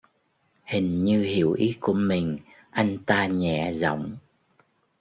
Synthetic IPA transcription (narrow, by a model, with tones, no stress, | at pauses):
hï˨˩ŋ̟ɲɨ˧hi˧˩˨əwʔi˨˦ku˧˩əmï˨˩ŋ̟ | ʔa˧jŋ̟t̪aː˧ɲɛ̰˧˨zɔ̰˧˨wŋ͡m